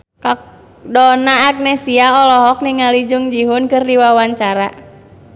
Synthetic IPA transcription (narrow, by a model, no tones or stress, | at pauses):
ka | dɔnaːɡ̚nɛsiaɔlɔɦɔk̚niŋalid͡ʒuŋd͡ʒiɦʊnkɨrdiwawaɲt͡ʃaɾa̰